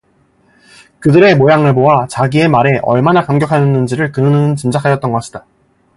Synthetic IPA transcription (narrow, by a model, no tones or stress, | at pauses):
kɯdɯɾe̞mojaŋɯɭboat͡ɕaɡie̞maɾe̞ʔʌɭmanakamɡjʌkʰajʌnːɯnd͡ʑiɾɯɭkɯnɯnɯnɯnt͡ɕɯnd͡ʑakʰajʌt̚t͈ʌnɡʌk͈aɕʰida